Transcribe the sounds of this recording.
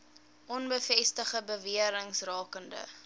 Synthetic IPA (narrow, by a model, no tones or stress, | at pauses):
ʔɔnbəfɛstəχəbəviəɾəŋsrɑːkəndə̰